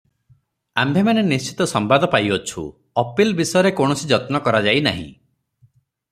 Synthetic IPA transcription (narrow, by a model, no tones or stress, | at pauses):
ambʱemanenist͡ʃi̥t̪ɔsɔmbad̪ɔpajɔt͡ʃʰṵ | ɔpilbisɔjɔɾekoɳ̃ɔsid͡ʒɔt̪nɔkɔɾad͡ʒaina̰ɦḭ̃